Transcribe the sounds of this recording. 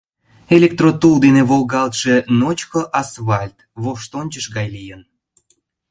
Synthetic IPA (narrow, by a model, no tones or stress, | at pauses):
elʲek̚t̪rot̪ulˠd̪eneβolˠɣɑlt̪ʃenot͡ɕkoʔɑsvɑlʲt̪βoʃt̪onʲt͡ɕəʃɣɑjlijən